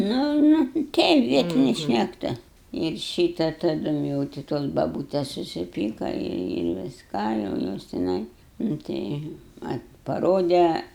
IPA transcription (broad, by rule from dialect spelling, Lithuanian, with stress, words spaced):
ˈnʊ ˈnʊ ˈtʲɛɪp ˈʋʲiɛtʲɪnʲɪ ʃʲnʲɛkˈtʊ ɪr ˈʃʲiːtɐ tɐˈdʊm jɛʊ tʲɪ ˈtoːs bɐˈbuːtʲɛs sʊsʲɪˈpʲiːkɐ ɪr ʋʲɪsˈkɑː jɛʊ ˈjoːs tʲɪˈnɐɪ nʊ ˈtɐɪ ˈʋɐt pɐˈroːdʲɛ